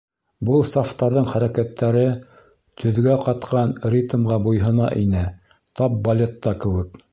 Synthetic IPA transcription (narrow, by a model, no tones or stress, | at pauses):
bɤlˠsaft̪ɑɾðɤɴχæɾækæt̪ːæɾɘ | t̪ʰɵ̆ðɡæqɑt̪qɑnrʲit̪mʁɑbujɦɤ̆nɑ̰ʔinɘ | t̪ɑp̚bɐlʲet̪ːɑkɘ̆wɘk